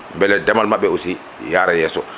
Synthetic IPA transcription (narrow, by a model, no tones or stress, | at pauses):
mbɛlɛdamalmaɓːɛusi | jaːɾajɛːsɔ